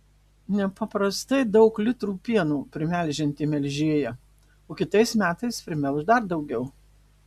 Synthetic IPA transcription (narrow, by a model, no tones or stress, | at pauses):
nʲɛpɐpɾɐst̪ɐɪd̪ɒʊklʲɪt̪ɾuːpʲiɛnuːpʲɾʲɪmʲæˑlʲˑʒʲɪnʲt̪ʲiːmʲɛlʲʒʲiɛjɛ | oːkʲɪt̪ɐɪsmʲæːt̪ɐɪspʲɾʲɪmʲɛlˠʒd̪ɐɾd̪ɒʊɡʲɛʊ